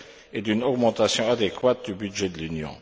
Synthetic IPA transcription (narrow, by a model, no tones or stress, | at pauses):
ed̪ynɔɡmɑ̃t̪asjɔ̃ad̪ekwat̪̚d̪ybyd̪ʒɛd̪əlynjɔ̰̃